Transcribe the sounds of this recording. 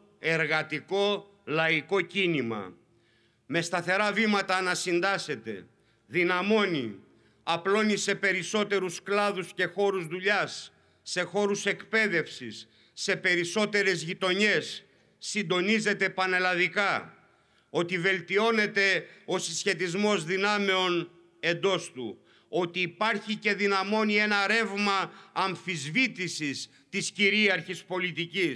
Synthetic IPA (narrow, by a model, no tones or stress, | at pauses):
e̞ɾɣɐt̪iko̞ | lɐiko̞cinimɐ̰ | me̞st̪ɐθe̞ɾɐvimɐt̪ɐːnɐsind̪ɐse̞t̪e̞̰ | ðinɐmo̞ni | ɐplo̞nise̞pe̞ɾiso̞t̪e̞ɾusklɐðusce̞xo̞ɾuzðuʎɐsː | e̞xo̞ɾuse̞kpe̞ðe̞fsisː | e̞pe̞ɾiso̞t̪e̞ɾe̞zʝit̪o̞ɲe̞sː | ind̪o̞nize̞t̪e̞pɐnelɐðikɐ | o̞t̪ive̞lt̪io̞ne̞t̪e̞o̞sisçe̞t̪izmo̞zðinɐme̞o̞n | e̞nd̪o̞st̪ṵ | o̞t̪iːpɐɾçice̞ðinɐmo̞nie̞nɐɾe̞vmɐːɱfizvit̪isis | t̪isciɾiɐɾçispo̞lit̪icis